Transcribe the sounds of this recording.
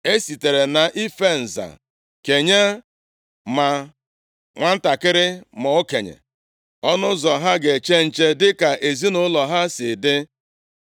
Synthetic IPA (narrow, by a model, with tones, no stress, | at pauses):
e˦si˨te˨ɾe˨na˨ʔi˦fe˦n̩˨za̰˨ | ke˨ɲe˦ | ma˨ | ŋʷa˦n̩˦ta˨kɪ˦ɾɪ˦mɔ˨o˦ke˨ɲḛ˨ | ɔ˦nʊ˦zɔ˨ɦa˦ɡe˨t͡ʃe˦n̩˨t͡ʃe˦dɪ˦ka˨ʔe˨zi˦nʊ˦lɔ˨ɦa˦sɪ˨dɪ˦